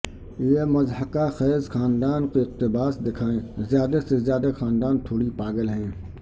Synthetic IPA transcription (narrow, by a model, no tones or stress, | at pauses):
jemɐzhəkaxɛːzxaːnd̪aːnkeɪq̚t̪ɪbaːsd̪ɪkʰaːẽzjaːd̪asezjaːd̪axaːnd̪aːnt̪ʰoːɽipaːɡəlɦɛ̃ː